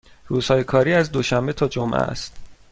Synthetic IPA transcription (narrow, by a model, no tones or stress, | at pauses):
ruːz̥hɒːjekʰɒːɾiːæzd̪o̞ʃæmbe̞t̪ʰɒːd͡ʒomʔæ̰st̪